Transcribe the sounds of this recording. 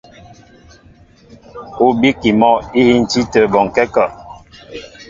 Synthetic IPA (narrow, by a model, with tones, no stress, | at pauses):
o˦bi˦ki˨mɔ˦i˦hi˦n̩˨ti˦tə˨bɔ˨ŋ˨kɛ˦ka˦˨ʔ